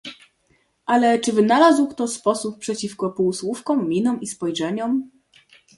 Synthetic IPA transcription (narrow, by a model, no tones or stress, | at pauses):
ʔalɛt͡ʂɘvɘnalazwkt̪ɔspɔsuppʂɛt͡ɕifkɔpuwswufkɔ̃mːʲinɔmispɔjʐɛɲɔm